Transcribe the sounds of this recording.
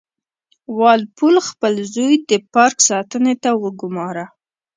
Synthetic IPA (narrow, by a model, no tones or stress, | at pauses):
wɑlpulxpəlzojd̪əpɑɾksɑt̪ənet̪awəɡʊmɑɾa